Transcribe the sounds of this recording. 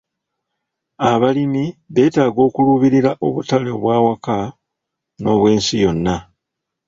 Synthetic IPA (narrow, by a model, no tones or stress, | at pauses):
aβalimiβe̞ːtaːɡo̞ːkuluβiɾiɾaʔo̞βutale̞oβwaːwaka | no̞ːβwe̞ːnsijo̞nːa